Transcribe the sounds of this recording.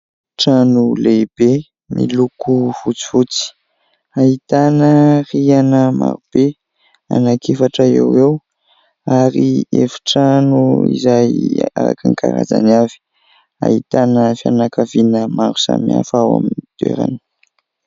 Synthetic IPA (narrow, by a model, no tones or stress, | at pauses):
ʈ͡ʂanuleb̥e | mʔilukufut͡si̥fut͡si̥ | ait̪anərianəma̰ɾub̥e | anakʰefaʈ͡ʂəḛwew | aɾiefi̥ʈ͡ʂanuizaja̰ɾakanikaɾazanavi̥ | ait̪anəfianakavinəmaɾu̥samiafawa̰minid̪̥ḛɾa̰nə̥